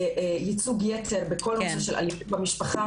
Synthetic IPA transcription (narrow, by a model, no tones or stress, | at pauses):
jit͡suɡjet͡seʁbeko̞loseʃelʔa̰lipbamiʃpaχa